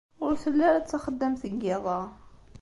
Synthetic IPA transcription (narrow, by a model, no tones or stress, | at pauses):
ʊɾθəlːæɾæt͡sːaxəd̪ːəmθəɡɪðˤɑ